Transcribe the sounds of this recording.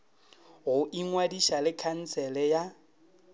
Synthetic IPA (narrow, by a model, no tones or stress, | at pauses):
ɣʊʔiŋwadiʃalɪkʰan̩sʰɛlɛja